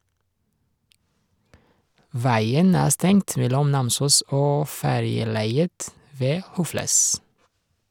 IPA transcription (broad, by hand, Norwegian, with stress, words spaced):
ˈʋæɪən ˈæː ˈstɛŋt ˈʋɛlɔm ˈnɑmsuːs ˈoː ˈfæɾjəˌlæɪət ˈʋeː ˈhʊfləs